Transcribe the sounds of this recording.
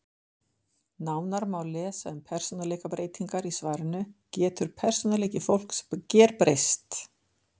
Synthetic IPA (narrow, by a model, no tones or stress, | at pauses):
naːwnaɾmaːwlɛːsaʏmpʰɛr̥sɔnaleːjkapɾeːjt̪iŋkaɾisvaːɾɪnʏcɛːt̪ʏɾ̥pʰɛr̥sɔnaleːcɪfowl̥kscɛːɾpɾejst̪